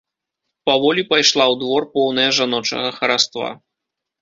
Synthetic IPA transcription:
pavɔlʲipajʂlˠawd̪vɔrpɔwnɐjɐʐanɔt͡ʂɐ̰ɣɐxɐɾast̪va̰

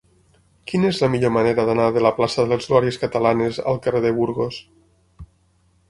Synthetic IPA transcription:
kinezlamiʎomaneɾaðanaðelaplasaðelezuaɾieskat̪alaneza̰lˠkareðeβuɾɣos

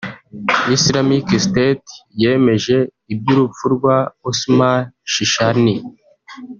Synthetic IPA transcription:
islamikstetjeːme̞ʒe̞ | ib̚juɾufuɾɡwausmaʃiʃani

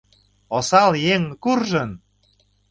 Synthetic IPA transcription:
osɑljeŋkurʒən

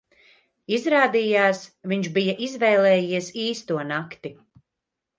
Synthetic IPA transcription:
izɾaːd̪iːjaːsviɲʃbijɐʔizvɛjlˠɛːjiɛsiːst̪uɔnakt̪i

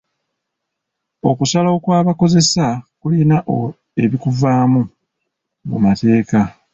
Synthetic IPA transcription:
o̞kusalo̞kwaːβako̞ze̞sakulinaʔo | e̞βikuvaːmu | mṵmate̞ːka

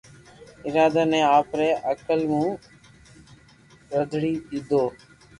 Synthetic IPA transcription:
ɪɾaːd̪aːnɛ̃ːaːpɾɛːʔəkəlmũː | ɾəd̪ʱɽiːtiːd̪oː

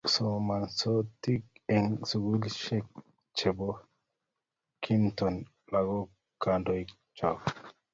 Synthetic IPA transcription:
somansot̪ikɛŋsuɡulʃɛk̚ | t͡ʃɛbɔ | kʰint̪ɔn | laɡɔ | kːandɔj | t͡ʃak

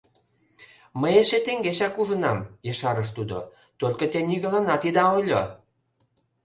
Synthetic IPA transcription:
məjeʃet̪eŋɡeʃɑkuʒənɑmjəʃɑɾəʃ̬t̪ud̪o̰ | t̪olʲkət̪eniɣəlɑnɑt̪id̪ɑojlʲo

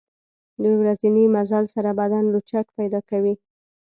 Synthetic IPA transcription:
ləwɾazinimazalsaɾabad̪anlut͡ʃakpajd̪ɑkawi

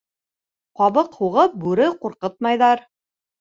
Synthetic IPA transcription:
qɑβɤqhuʁɤp̚bʉɾɘquɾqɤt̪mɑjðɑɾ

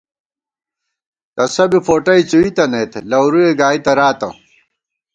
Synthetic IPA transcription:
t̪ɐsɐbifoːʈɐjt͡suit̪ɐnet̪elɐwɾueɡaːit̪ɐɾaːt̪ɐ̰

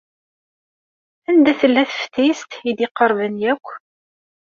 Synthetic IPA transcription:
ænd̪æθəlːæθə̥ft̪ist̪id̪ɪqəɾˤvənjækʷː

